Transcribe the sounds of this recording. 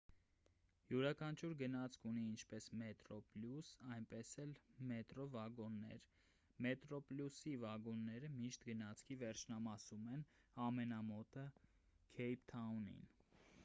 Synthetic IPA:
juɾɑkʰɑnt͡ʃʰuɾɡənɑt͡sʰkʰuniint͡ʃʰpɛsmɛt̪ɾɔpljusɑjnpɛsɛlmɛt̪ɾɔvɑɡɔnːɛ̰ɾ | mɛt̪ɾɔpljusivɑɡɔnːɛɾəmiʃt̪ɡənɑt͡sʰkʰivɛɾt͡ʃʰnɑmɑsumɛn | ɑmɛnɑmɔt̪ə | kʰɛjpʰt̪ʰɑunḭn

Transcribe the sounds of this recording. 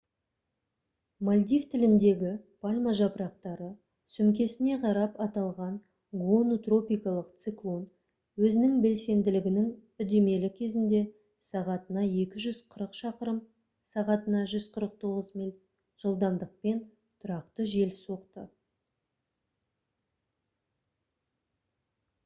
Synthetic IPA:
malʲd̪ijft̪ʰɪlɪnd̪e̞ɡʲɪpʰalʲmaʒɑpəɾɑq̚t̪ɑɾə | sʏmkʲe̞sɪne̞qʰɑɾɑpɑt̪ɑlˠʁɑɴ | ɡonot̪ro̞pijkɑlˠəqt̪siklˠo̞n | wɵzɪnɪŋbe̞lse̞nd̪ɪlɪɡʲɪnɪŋʏd̪eme̞lɪkʲʰe̞zɪnd̪e̞ | sɑʁɑt̪ənɑje̞kʲɪʒʏz̥qʰəɾəqʃɑqəɾəm | sɑʁɑt̪ənɑʒʏzqʰəɾəq̚t̪ʰo̞ʁəzmilʲ | ʒ̥əlˠd̪ɑmd̪əq̚pe̞n | t̪ʰʊɾɑqt̪əʒe̞lso̞qt̪ə

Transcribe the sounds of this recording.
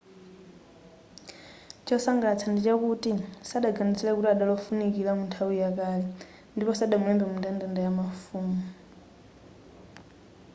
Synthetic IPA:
t͡ʃɔsaŋɡat͡sʰandit͡ʃakutisaɗaɡanit͡sʰɛɺɛkutiaɗalɔfunikiɺamuntʰawujakalɛ | ndipɔsaɗamuɛmbɛmundandandajamafuːmu

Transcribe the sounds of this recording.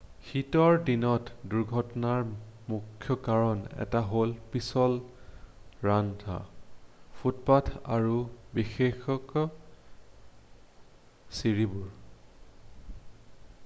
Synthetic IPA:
xitɔɹdinɔtduɹɡʱɔtɔnaɹmukʰːjɔkaɹɔnɛ̰taɦolpisɔl | ɹantʰa̰ | pʰutpatʰa̰ɹubixexɔkɔ | siɹibuɹ

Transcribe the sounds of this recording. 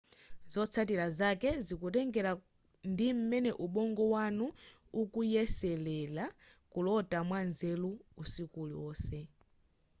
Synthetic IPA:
zɔt͡sʰat̬iɾazakɛzikutɛŋɡɛɾa | ndim̩mɛnɛʔuɓɔŋɡɔwanu | ukujɛsɛlɛla | kulɔtʼamwanzɛluːsikuliwɔːsɛ

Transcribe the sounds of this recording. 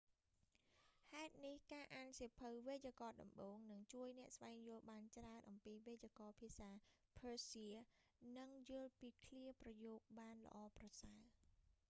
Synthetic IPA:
haɛt̪̚nihkaːʔaːnsiəpʰɨwʋeːjakɑːɗɑ̰mɓoːŋnɨŋt͡ɕuəjnɛ̆əʔsʋaɛŋjʊ̆əlɓaːnt͡ɕraənʔɑmpiːʋeːakɑːpʰiəsaːpʰəːsiənɨŋjʊəlpiːkʰliəprɑjoːp̚ɓaːnlə̰̆ʔɑːprɑsal

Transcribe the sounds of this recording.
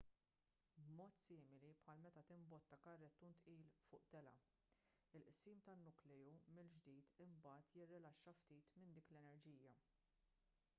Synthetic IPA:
bmɔːt̪siːmɪlipħɐːlmɛt̪ɐt̪ɪmbɔt̪ːɐkɐrːɛt̪ːunt̪ʔiːlfʊːʔt̪ɛlɐ̰ | ɪlʔsiːmt̪ɐnːʊklɛumɪld͡ʒd̪iːt̪ɪmbɐːt̪jɪrːɪlɐʃːɐft̪iːt̪mɪnd̪iːklɛnɛɾd͡ʒiːjɐ

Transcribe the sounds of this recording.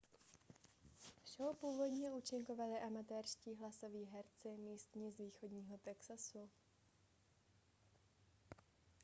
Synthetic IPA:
fʃɛopuːvo̞dɲɛʔuːt͡ʃɪŋkovalɪʔamat̪ɛɾʃciːɦlaso̞viːɦɛɾt͡sɪmiːst̪ɲiːzviːxo̞dɲiːɦo̞t̪ɛksasu

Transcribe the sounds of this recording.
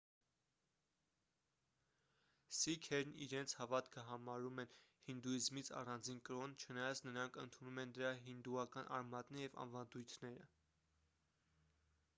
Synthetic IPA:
sikʰɛɾnḭɾɛnt͡sʰhɑvɑt̪kʰəɦɑmɑɾumɛnhind̪uizmit͡sʰɑ̰rɑnd͡zinkəɾɔnt͡ʃʰənɑjɑt͡sʰnəɾɑŋkʰə̰nt̪ʰunumɛnd̪əɾɑɦind̪uɑkɑnʔɑ̰ɾmɑt̪nɛɾjɛvɑ̰nvɑnd̪ujt̪ʰnɛɾə

